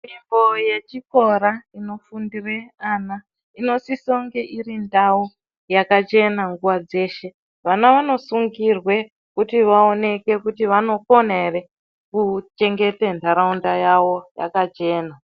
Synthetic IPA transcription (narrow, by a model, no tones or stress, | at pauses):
mimbo̞je̞t͡ʃiko̞ɾaino̞fundireana | ino̞sisoŋɡe̞ʔirindawo | jakat͡ʃe̞naŋɡuʋwad͡ze̞ːʃe̞ | ʋanaʋano̞suŋɡirwe̞ | kutiʋao̞ne̞ke̞kutiʋano̞ko̞nere | kut͡ʃe̞ŋɡe̞tentʰaɾaundajaʋo̞ja̰kat͡ʃe̞ːna